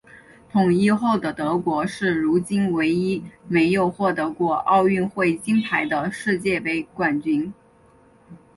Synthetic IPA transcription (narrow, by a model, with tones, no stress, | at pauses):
t̪ʰʊ˨˩ŋi˥xo˥˩ʊd̪ə˩t̪ɤ˧˥kwɔ˧˥ʂɻ̩˥˩ɻu˧˥t͡ɕi˥nwe˧˥ɪi˥me˧˥ɪjo˨˩ʊxwɔ˥˩t̪ɤ˧˥kwɔ˥˧ɑ˥˧ʊy˥˧nxwe˥˩ɪt͡ɕi˥np̪ʰa˧˥ɪd̪ə˧ʂɻ̩˥˧t͡ɕjɛ˥˩pe˧˥ɪkwa˨˩nt͡ɕy˧˥n